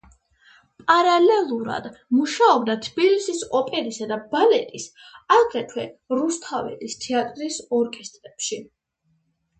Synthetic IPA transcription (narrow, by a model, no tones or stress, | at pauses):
pʼaɾalɛlˠuɾa̰d̪̥muʃaɔb̚d̪at̪ʰb̥ilisisɔpʼɛɾisad̪abalɛt̪ʼis | aɡɾɛt̪ʰwɛɾust̪ʰavɛ̰list̪ʰɛat̪ʼɾisɔɾkʼɛst̪ʼɾɛpʃi